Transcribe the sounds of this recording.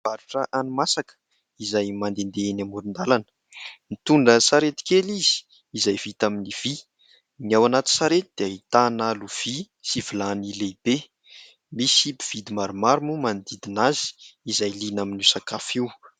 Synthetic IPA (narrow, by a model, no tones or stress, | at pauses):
vaɾuʈ͡ʂəʔanumasakə̥ | izajmand̪end̪enamuɾind̪alanə̥ | mit̪uɳɖ͡ʐəsaɾet̪i̥kelizi̥ː | zajvit̪aminiv̥i | niawanat̪i̥saɾet̪id̪̥eait̪analuv̥i | sivilanileb̥e | misipiv̥id̪imaɾumaɾumumand̪id̪inazi̥ːzajlinaminusakafiw